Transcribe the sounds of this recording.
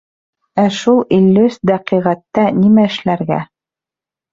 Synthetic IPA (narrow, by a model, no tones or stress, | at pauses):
æʃulˠilʲːysd̪æqiʁæt̪ːænimæɘ̆ʃlæɾɡæ̰